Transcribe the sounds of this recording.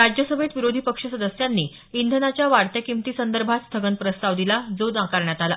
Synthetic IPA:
ɾad͡ʑjəsəbʱet̪ʋiɾod̪ʱipəkʂəsəd̪əsjanːiː | ind̪ʱənat͡ɕjaʋaɽt̪jakimt̪iːsənd̪əɾbʱat̪st̪ʰəɡənpɾəst̪aʋd̪ilad͡zod̪ãkaɾɳjat̪ala

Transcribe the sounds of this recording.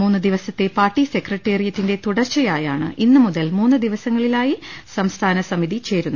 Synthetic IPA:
muːnːɨd̪iʋɐsɐt̪ːe̞paːrʈːise̞krɐʈːeːrijɐt̪ːinde̞t̪uɽɐrt͡ɕːɐjaːjaːɳɨ̰ʔinːɨmuðɐlmuːnːɨd̪iʋɐsɐŋːɐɭilaːjisɐmst̪ʰaːnɐsɐmiðit͡ɕe̞ːɾunː

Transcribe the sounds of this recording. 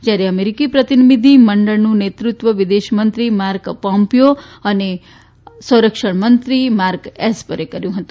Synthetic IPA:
d͡ʒjaɾeəmeɾikipɾət̪inimid̪ʱiməɳɖəɭnũnet̪ɾut̪ʋəʋid̪eʃmənt̪ɾimaɾkpɔ̃mpijoəne | sə̃wɾəkʃəɳ̃mənt̪ɾimaɾkɛspəɾekəɾjũɦət̪ũ̥

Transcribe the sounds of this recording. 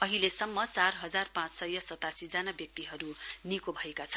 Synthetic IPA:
ʌɦilesʌmːʌt͡sarɦʌd͡zarpãt͡ssʌjʌsʌt̪asid͡zanabjʌk̚t̪iɦʌɾunikobʱʌekat͡sʰʌn

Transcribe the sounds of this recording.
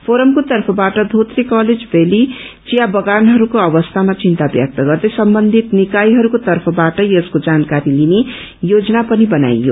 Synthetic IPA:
pʰoɾʌmkot̪ʌrpʰʌbaʈʌd̪ʱot̪rikʌled͡zbeli | t͡sijabʌɡanɦʌɾukoʌβʌst̪ʰamat͡sint̪abjʌ̰k̚t̪ʌɡʌrd̪ʌjsʌmbʌnd̪ʱit̪nikajɦʌɾukot̪ʌrpʰʌbaʈʌjeskod͡zankaɾiline | jod͡zʌnapʌnibʌna̰jːo̰

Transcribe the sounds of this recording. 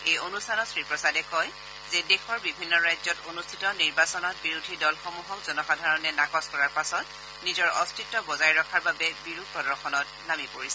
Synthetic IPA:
ejonustʰanɔtsɹipɹɔsadɛkɔj | zɛdexʰɔɹbibʱinːɔɹajzɔtonustʰi̥tɔniɹbasɔnɔt̚biɹudʱidɔlxomuɦɔk̚zɔnɔxadʱaɹɔnɛnakɔskɔɹaɹpasɔt̚ | nizɔɹɔstʰitːɔbɔzajɹɔkʰaɹbabɛbiɹuk̚pɔdɔxʰɔnɔt̚ | namipoɹisɛ

